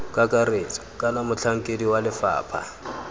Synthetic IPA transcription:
kʼakʼareːt͡sʼɔ̥kʼanamʊt͡ɬʰaŋ̩kʼediwalɪfa̰ːpʰa̰

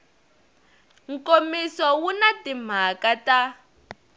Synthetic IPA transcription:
ŋ̩komisɔwunatim̤akata

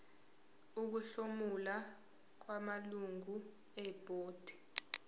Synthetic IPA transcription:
uk̬uɬomula | k̬wamaluŋɡu | ɛb̥ʱʼoːd̥ʱi̥

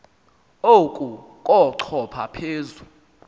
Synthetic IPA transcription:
okʼu | kʼɔǀʰɔpʰapʰeːzu

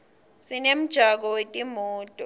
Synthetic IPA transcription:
sinem̩d̥ʒ̥ʱak̬ɔwetʼimuːtʼɔ

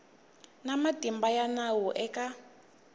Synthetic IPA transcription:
namadʱimbajanawɔʔɛka

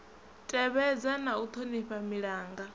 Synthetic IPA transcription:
tʼɛβɛd͡zanaut̪ʰoniɸamiɺaːŋɡa

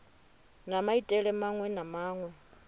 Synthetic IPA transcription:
namaitʼɛɺɛmaŋwɛnamaːŋwɛ

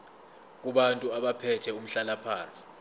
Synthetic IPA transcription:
k̬uɓantʼuaɓapʰɛtʰɛum̩ɬalapʰaːnt͡sʼi̥

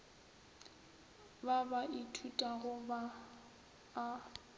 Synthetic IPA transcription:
babaʔitʰutʼaɣʊba

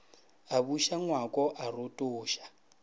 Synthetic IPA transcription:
aβuʃaŋwakʼɔʔarotʼoːʃḁ

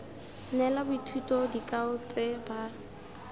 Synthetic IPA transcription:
nɛlabʊitʰutʼɔdikʼaʊt͡sʼeba

